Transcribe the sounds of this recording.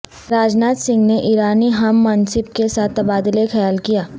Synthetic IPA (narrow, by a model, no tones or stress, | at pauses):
ɾaːd͡ʒnaːt̪sɪ̃ŋɡneʔiːɾaːniɦɐmːɐnsɪb̚kesaːt̪ɐbaːd̪ɪlexɐjaːlkijaː